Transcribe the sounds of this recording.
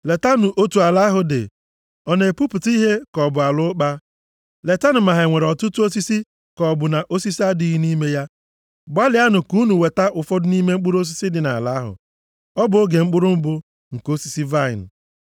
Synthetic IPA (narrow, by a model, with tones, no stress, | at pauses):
le˨ta˦nʊ˨ʔo˦tu˨a˨la˦ɦʊ˨dɪ̰˨ | ɔ˨ne˨pu˦pʊ˨ti˦ɦe˦kɔ˨bʊ˨a˨lʊ˦k͡pa˦ | le˨ta˦nʊ˨ma˨ɦe˨ŋʷe˨ɾɔ˨tʊ˦tu˦o˦si˦si˦ | kɔ˨bʊ˨na˨ʔo˦si˦si˦a˦di˦ɦi˦ni˦me˦ja˦ | ɡ͡ba˦lɪ˨˦a˦nʊ˨ku˦nu˨we˨ta˦ʔʊ˨fɔ˦dʊ˦ni˦me˦ŋ͡m̩˦k͡pʊ˦ɾo˦s̬i˦si˦dɪ˨na˨la˨˦ɦʊ̰˨ | ɔ˦bʊ˨o˦ɡe˨ŋ͡m̩˦k͡pʊ˦ɾʊ˦m̩˦bʊ˦ | ŋ̩˨ko˦si˨si˦va˦˨ɪ̰˨n̩˨